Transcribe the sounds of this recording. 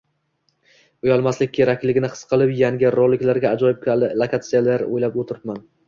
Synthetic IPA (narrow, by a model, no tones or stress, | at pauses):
ʊjɒlˠmaslɪk̚ʲkʲːʰeɾakʲlɪɡʲɪnɪχɨ̥sqʰɨlˠɪpjaŋɡʲɪɾolˠːɪkʲlaɾɡʲaːd͡ʒɒjɪp̚kʰʲalɪlˠakʰat̪sɨjalaɾo̰jlapot̪ʰɪɾɪpman